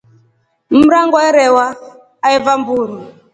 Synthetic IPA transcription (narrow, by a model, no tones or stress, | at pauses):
m̩ɾaŋɡɔɛɾɛwaː | ɛvambuɾi